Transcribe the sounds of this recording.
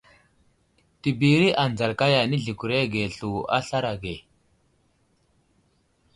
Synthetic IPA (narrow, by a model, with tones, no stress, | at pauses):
ti˨bi˨ɾi˦ʔa˨nd͡za˨ɾka˦ja˨ni˦ɮi˨ku˨ɾe˦ɡe˨ɬu˨a̰˦ɬa˦ɾa˨ɡe˨